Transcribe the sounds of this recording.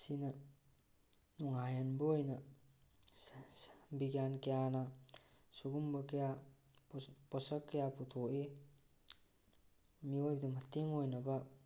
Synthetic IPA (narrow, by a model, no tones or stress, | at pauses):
sinɐ | nuŋajɐnbɐojnɐ | biɡjankɐjanɐsuɡumbɐkɐja | pɔsɐkːɐjaputʰoʔe | miojbɐdɐmɐteŋojnɐbɐ